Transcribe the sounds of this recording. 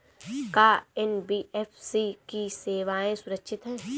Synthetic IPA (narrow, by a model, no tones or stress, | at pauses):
kaːɛnbiːɛːfʰsikiseːʋaːẽsʊɾəkʃʰɪt̪ɦɛ̃ː